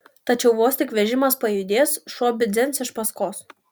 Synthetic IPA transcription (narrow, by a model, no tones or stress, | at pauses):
t̪ɐt͡ʃʲɛʊʋoːsʲt̪ʲɪkʋʲɛʒʲɪmɐspɐjʊd̪ʲeːsʃuɔbʲɪzʲɛnsɪʃpɐskoːs